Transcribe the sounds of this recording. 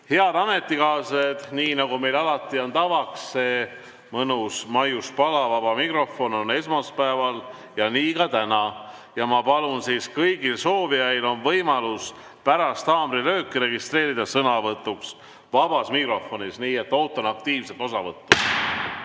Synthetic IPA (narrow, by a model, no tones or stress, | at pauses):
he̞ɑd̪̥ɑme̞t̪ːˑikɑːsed̪̥niːnɑɡume̞jlɑlɑt̪ːˑiont̪ɑvɑksːe̞ː | mɤnusmɑjuspɑlɑvɑb̥ɑmikro̞fo̞no̞ne̞smɑspæevɑl | jɑniːkɑt̪ænɑ | jɑmɑpɑlunsiːskɤjɡilso̞ːviɑjlo̞nvɤjmɑlus | pæɾɑst̪ɑːmɾilø̞ːkːˑiɾe̞ɡist̪re̞ːɾid̪̥ɑsɤnɑvɤt̪ːˑuks | vɑb̥ɑsmikro̞fˑo̞nisniːe̞t̪ːˑo̞ːt̪ːˑonɑk̚t̪iːvset̪ːˑo̞sɑvɤt̪ːu